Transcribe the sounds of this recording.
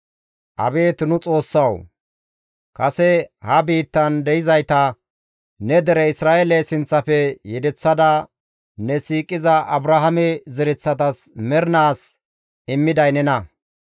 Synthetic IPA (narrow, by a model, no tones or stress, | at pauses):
ʔɐ̰be̞ːt̪ɪnʊt͡sʼo̞ːsːɐw | kɐsɛhɐbiːt̪ːɐnd̪ɛjɪzɐjt̪ɐ | nɛd̪ɛɾɛɪsɾaːʔelɛsɪnt͡sːɐfɛjɛd̪ɛt͡sːɐd̪ɐ | nɛsiːkʼːɪzɐʔɐbɾɐɦɐmɛzɪɾɪt͡sːɐt̪ɐs | mɛɾnaːs | ɪmːɪd̪ɐjnɛnɐ